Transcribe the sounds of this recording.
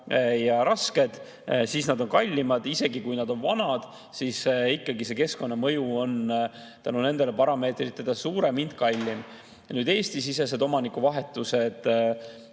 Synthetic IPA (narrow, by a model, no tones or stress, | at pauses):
jɑɾɑske̞d̪̥ | sisnɑd̪o̞nkɑlʲːimɑd̪̥ise̞ɡikujnɑd̪̥o̞nvɑnɑd̪̥ | sisikːˑɑɡise̞ke̞sko̞nːɑmɤ̞juo̞nt̪ænune̞nd̪̥e̞lepɑɾɑme̞ːt̪rit̪ːˑed̪̥esuːɾemind̪̥kɑlʲːim | nyːd̪e̞ːst̪isises̬e̞d̪o̞mɑnikːuvɑɦe̞t̪ːˑuse̞d̪̥